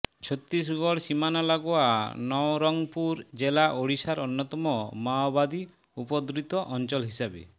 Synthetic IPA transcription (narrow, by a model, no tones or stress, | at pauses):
t͡ʃʰot̪ːis̬ɡɔɽsimanɔlaɡɔanɔɾɔŋpuɾd͡ʒelaʔoɽisaɾɔnːɔt̪ɔmɔmaɔbad̪i | upɔd̪ɾit̪ɔʔɔnt͡ʃɔlɦisabḛ